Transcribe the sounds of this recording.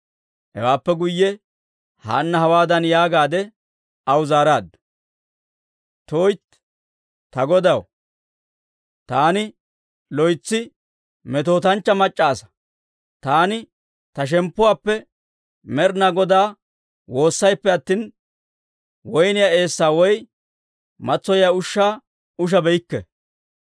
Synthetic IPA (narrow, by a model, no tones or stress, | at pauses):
hɛ̰waːpːɛɡʊjːɛ | ha̰ːnːɐhɐwaːd̪ɐnjaːɡaːd̪ɛ | ɐwzaːɾaːd̪ːɐ | t̪oːjt̪ | t̪ɐɡɔd̪ɐw | t̪aːnɪ | lɔjt͡sːɪ | mɛt̪o̞ːt̪ɐnt͡ʃːɐmɐt͡ʃʼːaːsɐ̥ | t̪aːnɪ | t̪ɐʃ̬ɛmpːʊwaːpːɛ | mɛɾnɐɡɔd̪aː | wo̞ːsːɐjpːɛɐt̪ːiːn | wɔjnɪjaːe̞ːsːaːwɔj | mɐt͡sːɔjjaʊʃːaː | ʊʃ̬ɐbɛjɪkːɛ̰